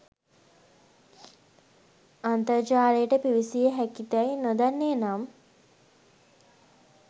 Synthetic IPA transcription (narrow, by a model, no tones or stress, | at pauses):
ant̪əɾt͡ʃaːɾejəʈəpiʋisijəɦækit̪ɛjnod̪anːeːnam